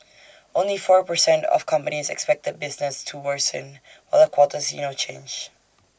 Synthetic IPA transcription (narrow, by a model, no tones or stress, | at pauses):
ʔõnlifɔɹpəsɛ̃ntɔ̰fkʰʌ̃mpənisɛ̰kspɛk̚təd̚bɪsnəstʰuwəsə̰̃n | waləkʰwɔtəsḭnot͡ʃʰḛ̃nd͡ʒ